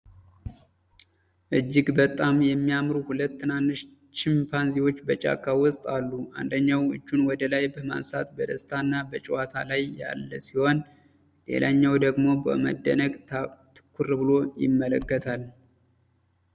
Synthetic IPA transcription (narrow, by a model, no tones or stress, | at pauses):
ʔɨd͡ʒːɪɡbət̪ʼːamjɛmːijamɾuhulət̪ːɨnanːɨʃ | t͡ʃɪmpʰanziwo̞t͡ʃːbət͡ʃʼa̰kʰːawɔsʼt̪ʼalːua̰nd̪əɲːawɨ̰d͡ʒːunwɔd̪əlajbəma̰nsa̰t̪bəd̪əst̪ʰanːabət͡ʃʼɛwat̪ʰa̰lajːa̰lːəsiho̞n | lḛlʔaɲːawd̪əɡmo̞bə̰mə̰d̪ːə̰nəɡ̪t̪ʰɨ̥kʰːurbɨlo̞jɪ̰mːələ̰kːət̪ʰal